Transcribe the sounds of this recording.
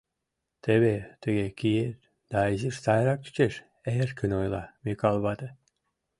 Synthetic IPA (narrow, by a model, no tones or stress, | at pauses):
t̪ʰeβet̪əɡekijet | d̪̥ɑeziʃsɑjɾɑk̚y̥t͡ʃeʃ | erkʰənojlˠɑmikɑlˠβɑd̪ə